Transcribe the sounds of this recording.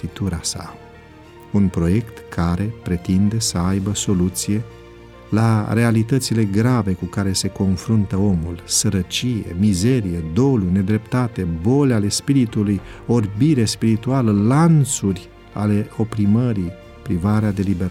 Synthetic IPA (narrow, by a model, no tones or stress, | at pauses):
it̪uɾasa̰ | unpɾo̞je̞kt̪kʰaɾe̞pɾe̞t̪ind̪e̞səajbəso̞lut̪sije̞ | laɾe̞alit̪ət̪sile̞ɡɾave̞kukaɾe̞se̞ko̞nfɾunt̪əo̞mulsəɾət͡ʃije̞̰mize̞ɾije̞d̪o̞lune̞d̪ɾe̞pt̪at̪e̞bo̞leale̞spiɾit̪uluj | o̞rbiɾespiɾit̪ualəlant̪surʲ | a̰le̞o̞pɾiməɾi | pɾivaɾead̪e̞libeɾ